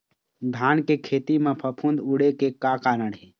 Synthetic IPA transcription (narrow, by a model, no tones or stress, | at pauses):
d̪ʱaːnkekʰeːt̪imẽpʰəpʰũnd̪uɽekekaːkaːnəɽɦeː